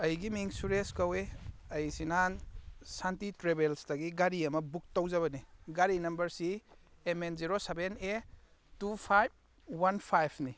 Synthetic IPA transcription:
ɐjɡimiŋsuɾeskɐweɐjsinansantitɾebelsdɐɡiɡaɾiɐmɐbuk̚towzaβɐniɡaɾinɐmbɐɾsiː | menziɾosebene | tupʰajb̚ | wanpʰajpʰni

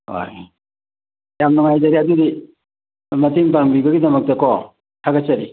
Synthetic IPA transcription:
o̰j | jamnɔŋajzɐɾiɐdudi | mɐtiŋpamɡɾibɐɡidɐmɐk̚tɐkɔ | tʰaɡasɐɾi

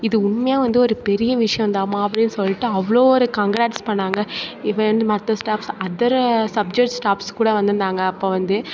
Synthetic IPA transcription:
ɪðɯʊɳmɐjaːʋɐnd̪ɯɔɾɯpɛɾɪjɐʋɪʂɐjɐ̃nd̪aːmaːɐpːɐɽɪnːɯsɔlːɪʈːɯɐʋɐɭoːɔɾɯkɐŋɡɾaːʈspɐɳːaːŋɡɐɪʋɐɐnd̪ɯmɐt̪ːɐsʈaːpsɐðɐɾsɐb̚d͡ʒɐk̚ʈsʈaːpskuːɽɐʋɐnd̪ɯnd̪aːŋɡɐːpːoːʋɐnd̪ɯ

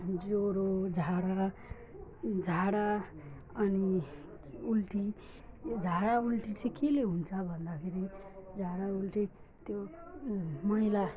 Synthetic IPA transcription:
oɾod͡zʱaɽa | d͡zʱaɽa | ʌni | ulʈi | d͡zʱaɽaulʈit͡sẽkeleɦunt͡sʰʌbʱʌnd̪akʰeɾid͡zʱaɽaulʈi | t̪jo | mʌila

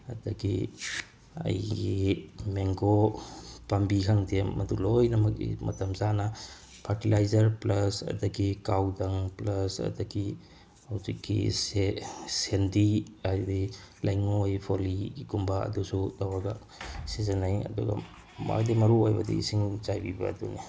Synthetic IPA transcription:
ɐdɐɡi | ɐ̰jɡimeŋɡo | pambikʰaŋdemmɐdulojnɐmɐk̚ḭmɐ̰t̪ʰɐmzanɐ | pʰaɾtilajzɐɾplɐsɐ̰dɐɡikawdaŋplɐsɐ̰dɐɡi | awzikːḭs | sendiajdi | lajŋojpʰoliɡikumbaɐ̰dusutawaɡa | sizenajɐ̰dṵɡa̰ | ma̰kdimɐɾuojbɐdḭsiŋt͡ʃajbiba̰ːd̪uni

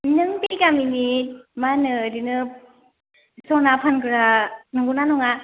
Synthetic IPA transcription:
nɯŋpikamimit̚manɯdinɯ | sɔnapʰankɯɾanɯŋɡunanɔŋa

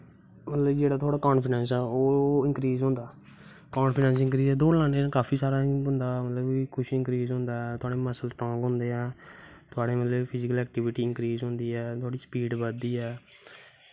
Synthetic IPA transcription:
mət̪ləbd͡ʒeːɽaːt̪ʰoaːɽaːkɔːnpʰɪɖɛ̃ːns̬ɛːoːɪ̃ŋkɾiːzɦõːnd̪aː | kɔːnpʰɪɖɛ̃ːns̬ɪ̃ŋkɾiːzɛːd̪oːlãːneːkaːfʰiːsaːɾaːʊnd̪aːmət̪ləbikʰʊʃɪ̃ŋkɾiːzɦʊ̃ːnd̪aːɛt̪ʰʊaːɽeːməsəlʈɾãːŋɡɦʊ̃ːnd̪eːɛːt̪ʰʊaːɽeːmət̪ləbpʰɪzɪkəlɛːk̚ʈɪʋɪʈiːɪŋkɾiːzɦõnd̪iːɛːt̪ʰʊaːɽiːspiːɖbəd̪iːɛː

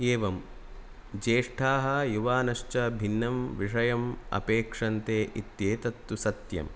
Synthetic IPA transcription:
eːʋɐm | d͡ʒeːʂʈʰaːɦɐjuʋaːnɐʂt͡ʃɐbʱinːɐmʋiʂɐjɐmɐ̰peːkʂɐnt̪eːʔit̪jeːt̪ɐt̪ːusɐt̪jɐ̰m

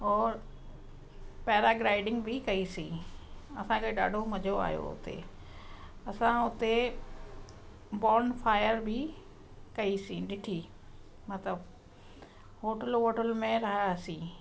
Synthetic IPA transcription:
ɔːɾ | pɛːɾaɡɾaːɪɖɪ̃ŋɡbʱɪkɐisĩːɐsãkeɗaːɖʱomɐd͡ʑʱoa̰ːɦjo̰ʊ̰t̪ḛ | ɐsãʊt̪e | bɔːɾnfaːɪjəɾbʱɪ | kɐisĩɗɪʈʰiː | mɐt̪ləb | ɦoːʈəlɦoːʈəlmẽɾɐɦasĩː

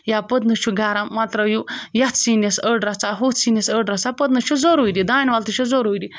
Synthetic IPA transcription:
japəd̪nɨt͡ʃʰuɡaɾamːɐt̪ɾɐjujɐt̪sinesəɖɾɐt͡saɦot̪sinesəɖɾɐt͡sapəd̪nɨt͡ʃʰuzoɾoːjdid̪aːnʲʋalt̪ɨt͡ʃʰuzoɾoːjdi

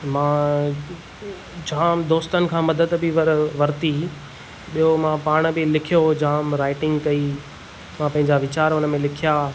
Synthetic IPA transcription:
mãː | d͡ʑaːmd̪oːst̪ənɪ̆kʰãːmɐd̪əd̪bɪʋɐʋɐɾt̪i | ɓijomãpaːɽ̃bɪlɪkʰijod͡ʑaːmɾaːɪʈɪ̃ŋɡkɐi | mãpɐ̃ɦɪ̃ɲd͡ʑaʋɪt͡ɕaːɾʊnəmẽlɪkʰija

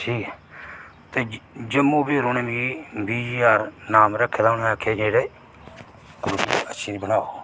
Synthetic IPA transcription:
ʈʰiːkɛ | t̪eːd͡ʒəmːõːbeːɾoːneːmiːbiːd͡ʒiːaːɾnaːmɾəkʰːed̪aːʊneakʰeːd͡ʒeːɽeː | kʊɾbiːəʃʰiːɾibənaːoː

